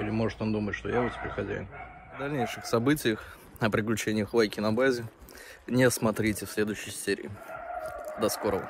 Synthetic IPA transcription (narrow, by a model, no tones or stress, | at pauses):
ilʲɪmo̞ʐɨt̪ond̪umətʲʂt̪ojaʊtʲɪ̥pʲeɾʲxɐzʲæ̰jʊnvd̪ɐlʲnʲejʂɨxsɐbɨtʲɪjəx | əpɾʲɪklʲʉt͡ɕenʲɪjəxvˠajkʲɪnɐbazʲɪ | nʲesmɐt̪ɾʲitʲɪfsʲlʲe̞d̪ʊɕːɪjsʲeɾʲɪ̰ː | d̪ɐsko̞ɾəvə̰